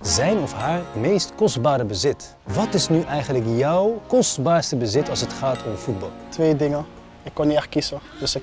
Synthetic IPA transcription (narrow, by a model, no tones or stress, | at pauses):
zɛjnɔfɦaːɹmejstkɔsbaːɾəbəzɪt | ʋɑtɪsnyʔɛjχənləkjɔwkɔstbaːɹstəbəzɪtɑlˠsɦətχaːtʰɔmfud̚bɑ̰lˠtʋeːdɪŋə | ɪkːɔniɛχkisəd̥əsɪ